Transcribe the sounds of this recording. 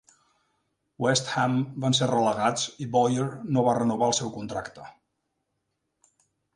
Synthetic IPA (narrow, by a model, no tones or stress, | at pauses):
wɛst̪hɛmbanserələɣat͡sibɔjəɾnoβarənuβaəlˠsɛwkunt̪ɾakt̪ə